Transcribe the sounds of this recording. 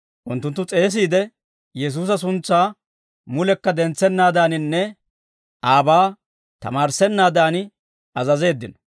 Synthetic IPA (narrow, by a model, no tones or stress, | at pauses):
ʔʊnt̪ːʊnt̪ːʊt͡sʼe̞ːs̬iːd̪ɛ | jɛs̬uːs̬ɐs̬ʊnt͡sːaː | mʊlɛkːɐd̪ɛnt͡sːɛnːaːd̪aːnɪnːɛ | ʔaːbaː | t̪ɐ̰maːɾsɛnːaːd̪aːnɪ | ɐzɐze̞ːd̪ːɪnɔ̥